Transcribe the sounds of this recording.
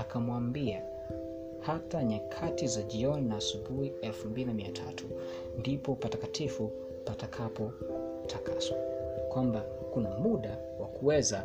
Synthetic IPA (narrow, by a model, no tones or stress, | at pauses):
akamwambia | hataɲakʰatizaʄiɔninaːsuɓuhiɛlfumbilinamiatʰatʰu | ndipɔpatakatʰifu | patakʰapɔ | tʰakʰaswakwamba | kunamuɗa | wakuwɛza